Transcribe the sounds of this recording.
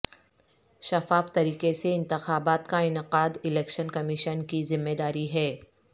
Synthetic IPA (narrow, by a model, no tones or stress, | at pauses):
ʃɐfaːft̪ɐɾiːqeseɪ̃nt̪ɪxaːbaːt̪kaɪnɪqaːd̪ɪlɛːkʃənkɐmɪʃənkizɪmːed̪aːɾiɦɛː